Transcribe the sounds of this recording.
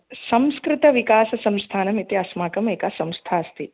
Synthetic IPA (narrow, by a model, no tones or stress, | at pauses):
sɐmskɾɪt̪ɐʋikaːsɐsɐmst̪ʰaːnɐmit̪iɐsmaːkɐmeːkasɐ̃mst̪ʰaːɐst̪ʰi